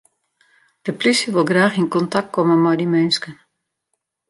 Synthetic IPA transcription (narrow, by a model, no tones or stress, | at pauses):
d̥əplysəʋɪlˠɡraːxɪnkɔntak̚t̚kɔmənmɔjdimɛnskən